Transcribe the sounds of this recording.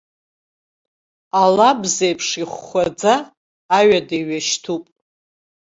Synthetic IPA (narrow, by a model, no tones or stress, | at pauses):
alabzejpʰʂiχʷad͡zaː | ɥadeɥaʃtʰupʼ